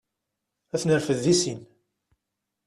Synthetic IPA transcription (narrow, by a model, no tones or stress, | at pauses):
æθnəɾfəðːisin